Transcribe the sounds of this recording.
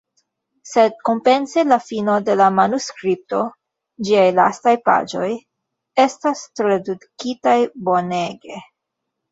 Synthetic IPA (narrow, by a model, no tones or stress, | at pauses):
se̞d̚ko̞mpe̞nselafino̞de̞lamanuskɾip̚to̞ | d͡ʒiajla̰stajpa̰d͡ʒo̞j | e̞stastɾadukitajbo̞ne̞ɡe̞